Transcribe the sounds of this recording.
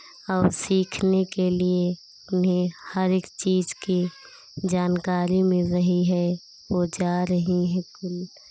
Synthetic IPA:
ɔːɾsiːkʰnekelie | ʊnɦẽhəɾekt͡ʃiːd͡ʒki | d͡ʒaːnkaːɾimẽɾəɦiɦɛ | ʋod͡ʒaːɾəɦiɦɛ̃kʊl

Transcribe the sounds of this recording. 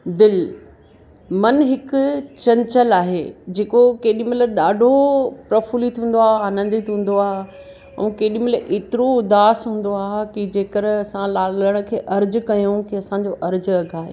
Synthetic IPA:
d̪ɪl | mɐnɦɪkʊt͡ɕɐ̃ɲt͡ɕəlaːɦḛːd͡ʑeːkokeːɗĩmɪlɗaːɖʱopɾɐfuːlit̪ʰũːn̆d̪oaːaːnə̃n̆d̪it̪ʰɦũːn̆d̪oaːɦ | ɛ̰̃ːkeːɗĩmɪlʔeːt̪ɪɾoʊd̪aːsɦũːn̆d̪oaːɦkid͡ʑeːkəɾɐsãlaːləɽ̃ʊ̆kʰeːʔɐɾd͡ʑʊ̆kɐjũkiɐsãɲd͡ʑoʔɐɾd͡ʑɐɡʱaːḛː

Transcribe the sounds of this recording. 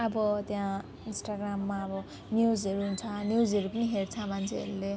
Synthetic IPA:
ʌbʌt̪jã | insʈaɡramːaʌbʌ | njud͡zʌɾuɦunt͡sʰʌnjud͡zɦʌɾupʌniɦert͡sʰʌmant͡sʰeʌ̰ɾule

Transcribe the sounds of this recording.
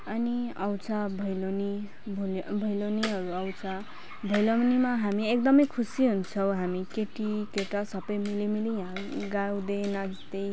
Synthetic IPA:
ʌniʌwt͡sʰabʱʌjloni | bʱbʱʌjloniɦʌɾuʌwt͡sʰa | bʱʌjlonimaɦamiekd̪ʌmʌjkʰusiɦunt͡sʰʌw̃ɦamikeʈikeʈasʌpʌjmilimilijãɡaw̃d̪enʌist̪ej

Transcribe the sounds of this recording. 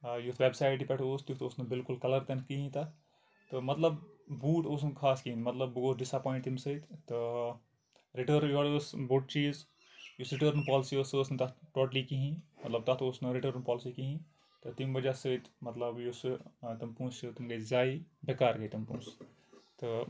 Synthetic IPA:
jut̪ʋebsaːɪʈipʲɛʈʰoːst̪jut̪oːsnɐbɪlkulkɐlɐɾt̪ɐnkiɦĩt̪ɐ | t̪ɨmɐt̪lɐbbuːʈoːsnkʰaːskiɦĩnmɐt̪lɐbɡoɖɪsapaːĩɳʈ̪imsət̪t̪ɨ | ɾiʈəɾjoːlosboʈ̚t͡ʃiːz | jusɾɪʈəːɾnpaːlɪsiosɨosnɐt̪ɐʈoːʈlikiɦĩmɐt̪lɐb̚t̪ɐt̪osnɨɾiʈəːɾnpɔːlsikiɦĩ | t̪ɨt̪imbɐd͡ʒasət̪mɐt̪lɐbjusɨt̪ɐmpũːsut̪umɡɐzaːibekaːɾɡɐjt̪ɐmpṵ̃ːs | t̪ɨ

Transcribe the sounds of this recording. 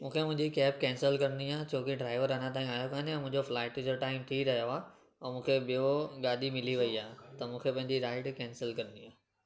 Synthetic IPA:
mũːkʰemʊ̃ɦɪ̃ɲd͡ʑikɛːp̚kɛ̃ːnsəlkɐɾənd̪iaːt͡ɕʰoːkɪɖɾaːɪʋəɾɐnãt̪̬ãːĩaːjokaːnɛ̃mʊ̃ɦɪ̃ɲd͡ʑoflaːɪʈd͡ʑoʈaːɪmt̪ʰiɾɐɦijoaː | ɛ̃ːmũːkʰeɓijoɠaːd̪imɪliʋɐiaːt̪ɐmũːkʰepɐ̃ɦɪ̃ɲd͡ʑiɾaːɪʈkɛ̃ːnsəlkɐɾɪnd̪iaː

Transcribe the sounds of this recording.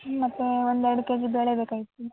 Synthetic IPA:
mɐt̪ːeʋond̪ɛɾɽukeːd͡ʒib̪ɐɭebeːkaːjit̪ːu

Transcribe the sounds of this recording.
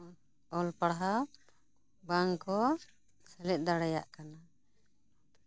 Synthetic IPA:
ɔlpaɽɦa | baŋkɔ | sɛlɛt̪̚ˀd̪aɽaja̰ʔkana

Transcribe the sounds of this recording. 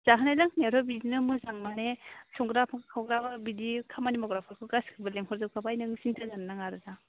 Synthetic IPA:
z̥aɦanajlaŋneɾɔbizinɯmɯzaŋmanesɔŋɡɾapʰaŋkɯkʰawɡɾababidikʰamanimɔɡɾapʰaɾkʰɯɡaskʰɯbɯleŋɦʰɔɾzɯp̚kʰabajnɯŋsintʰɯzanːaŋaɾɯda

